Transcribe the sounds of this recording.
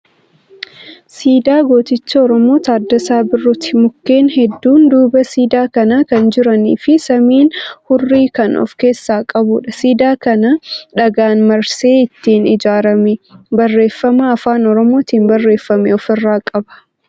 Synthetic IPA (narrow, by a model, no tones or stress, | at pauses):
siːd̪aːɡo̞ːt̪ɪt͡ʃːɐɔɾɔmo̞ːt̪aːd̪ːɐsaːbɪrːʊt̪ɪmʊkːe̞ːnɦɛd̪ːuːnd̪uːbɐsiːd̪aːkɐnakɐnd͡ʒɪɾɐnḭːfɪsɐmiːnhʊrːiːkɐnɔ̰fke̞ːsːaːkʼɐbuːᶑɐsiːd̪aːkɐnɐᶑɐɡaːnmɐɾse̞ːɪt̪ːiːnɪd͡ʒaːɾɐmɛbɐrːe̞ːfːɐmɐːfaːnɔɾɔmo̞ːt̪iːmbɐrːe̞ːfːɐmɛɔfɪrːaːkʼɐbɐ̥